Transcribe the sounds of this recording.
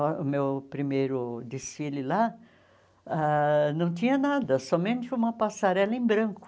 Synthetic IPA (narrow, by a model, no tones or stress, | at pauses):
ʊmewpɾimejɾʊd̪esilɪla | anɐ̃w̃t̪ĩɲɐnad̪ɐsɔmẽnt͡ʃ̪ɪũmɐpasaɾɛlɐẽbɾɐ̃ŋkʊ̥